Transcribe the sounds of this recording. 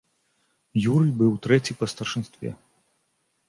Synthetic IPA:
juɾɨjbɨwt̪ɾɛt͡sʲipɐst̪ɐrʂɨnst̪vʲɛ̰

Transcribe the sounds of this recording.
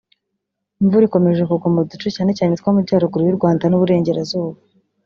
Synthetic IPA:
iɱvuɾiko̞me̞ʒekuɡumudut͡ʃucaːne̞caːnet̪kwaːmubɟaːɾuɡuɾujiɾɡwaːndanuβuɾe̞ːɲɟe̞ɾazuːβa

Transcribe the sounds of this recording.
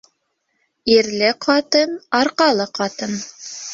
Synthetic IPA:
iɾlɘqʰɑt̪ɤnɑɾqɑlˠɤqɑt̪ɤn

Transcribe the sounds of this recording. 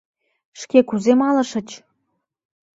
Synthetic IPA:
ʃkekuzemɑlɤ̆ʃə̆t͡ɕ

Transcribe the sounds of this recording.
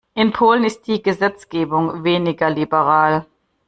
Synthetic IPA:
ʔɪnpʰoːlənɪst̚d̥iːɡəzɛt͡sɡ̥eːbʊŋveːnɪɡɐlibəʁaːl

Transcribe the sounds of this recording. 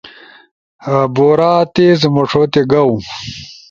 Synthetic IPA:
ɐboːɾaːt̪ezmoʂʰot̪eɡɐw

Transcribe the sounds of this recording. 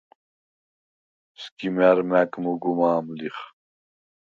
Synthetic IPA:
skimɛɾmækmuɡumaːmliχ

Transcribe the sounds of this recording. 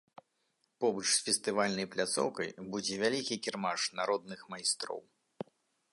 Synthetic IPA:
pɔbɨt͡ʂsfʲɛst̪ɨvalʲnɐjplʲat̪sɔ̰wkɐjbud͡zʲɛvʲalʲikʲikʲirmaʂnaɾɔd̪̚nɨxmajst̪ɾɔ̰w

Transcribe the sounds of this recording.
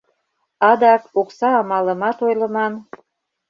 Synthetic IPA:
ɑd̪ɑkoksɑːmɑlə̆mɑt̪ojlə̆mɑn

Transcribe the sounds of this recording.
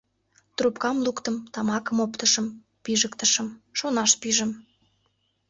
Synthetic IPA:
t̪rupkɑmlukt̪əmt̪ɑmɑkəmopt̪əʃəm | piʒəkt̪əʃəmʃonɑʃpiʒə̆m

